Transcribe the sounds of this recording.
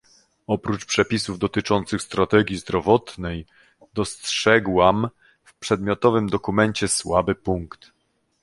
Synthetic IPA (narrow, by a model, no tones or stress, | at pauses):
ɔpɾut͡ʂpʂɛpʲisuvd̪ɔt̪ɘt͡ʂɔnt̪sɘxst̪ɾat̪ɛɡʲjizd̪ɾɔvɔt̪nɛj | d̪ɔstʂɛɡwam | fpʂɛd̪mʲjɔt̪ɔvɘmd̪ɔkumɛɲt͡ɕɛswabɘpuŋkt̪